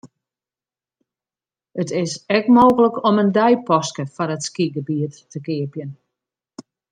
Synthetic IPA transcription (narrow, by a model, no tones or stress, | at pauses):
ətɪsɛkmoːɣələkɔməndɛjpɔskəfɔɾətskiɡəbiətː | əkɪəpjən